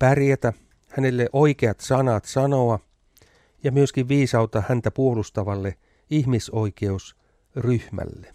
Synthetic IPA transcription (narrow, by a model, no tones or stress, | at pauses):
pærjæt̪æ | hænelːeʔoikeɑt̪sɑnɑt̪sɑnoɑ | jɑmyøskiʋʋiːsɑut̪ɑhænt̪æpuolust̪ɑʋɑlːe | ihmiso̞ikeus | ryhmæ̰lːe